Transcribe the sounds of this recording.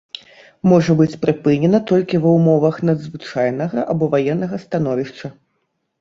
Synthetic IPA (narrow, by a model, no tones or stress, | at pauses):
mɔʐɐbɨt͡sʲpɾɨpɨnʲɛnɐt̪ɔlʲkʲivɐwmɔvɐxnɐd̪zvɨt͡ʂajnɐɣɐʔabɔvajɛnːɐɣɐst̪an̪ɔvʲiʂt͡ʂɐ